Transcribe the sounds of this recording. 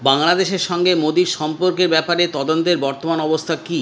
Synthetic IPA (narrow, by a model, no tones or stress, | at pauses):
baŋlad̪eʃeɾʃɔŋɡemod̪iɾʃɔmpoɾkeɾbɛpaɾet̪ɔd̪ont̪eɾbɔɾt̪omanɔbost̪ʰaki